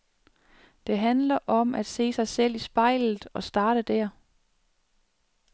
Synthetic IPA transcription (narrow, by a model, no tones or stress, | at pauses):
d̥e̝ɦænlɐʔɒ̽mʔæd̥se̝̰ːsɑ̈ɪsel̰isb̥ɑ̈ɪ̰lð̩ˠɒ̽sd̥ɑ̈ːɾ̥əd̥æɐ̰